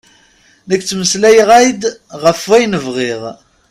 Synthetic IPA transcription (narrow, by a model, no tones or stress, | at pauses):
nəkːt͡sːməslæjəʁæjd̪ʁəfwæjnəvʁeʁ